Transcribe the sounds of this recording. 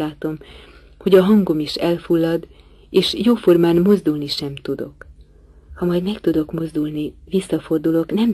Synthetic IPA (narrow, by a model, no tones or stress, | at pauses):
laːt̪o̞m | ho̞ɟɒɦɒŋɡo̞miʃɛlfulːɒd̪ | eːʃjoːfo̞rmaːnmo̞zd̪ulniʃɛmt̪ud̪o̞̰k | hɒmɒjd̪mɛkt̪ud̪o̞kmo̞zd̪ulnivisːɒfo̞rd̪ulo̞knɛm